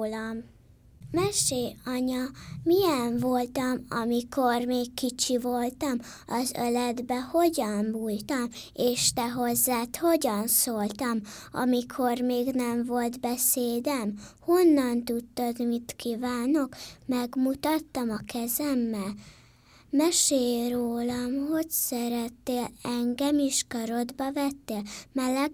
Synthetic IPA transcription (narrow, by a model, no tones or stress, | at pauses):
lɒm | mɛʃeːɒɲɒmijɛɱvo̞lt̪ɒmɒ̰mikʰo̞rmeːkːit͡ʃivo̞lt̪ɒm | ɒzø̰lɛd̪bɛho̞ɟɒɱvult̪ɒmeːʃt̪ɛɦo̞zːaːt̪ho̞ɟɒnsoːlt̪ɒmɒ̰mikʰo̞rmeːɡnɛɱvo̞lt̪bɛseːd̪ɛmho̞nːɒnt̪ut̪ːɒd̪mit̪kivaːno̞kmɛɡmut̪ɒt̪ːɒmɒkɛzɛmːɛl | mɛʃeːroːlɒmho̞csɛɾɛt̪ːeːlɛŋɡɛmiʃkɒɾo̞d̪bɒvɛt̪ːeːlmɛlːɛk